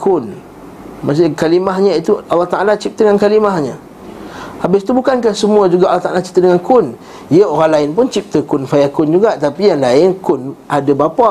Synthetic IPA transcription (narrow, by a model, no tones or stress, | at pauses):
kʰʊn | mas̬akalimaɦɲait̪ualːɑht̪aʔalat͡ʃip̚t̪əŋankalimahɲa | habɪst̪ubukankahsəmuad͡ʒuɡaʔalːɑht̪aʔalat͡ʃi̥t̪ədəŋankʰʊn | jəoɾaŋlaɪnp̬ʊnt͡ʃip̚t̪əkʊnfajakʊnd͡ʒuɡaʔt̪apijaŋlaɪnkʊnʔadabapa